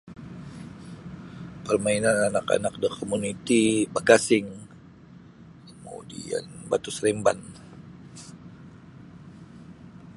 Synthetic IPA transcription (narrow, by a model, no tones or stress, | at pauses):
pərmainananaka̰nak̚dəkomunit̪ibaɡasɪŋ | kəmṵdḭa̰nbat̪ʊsɾɛmban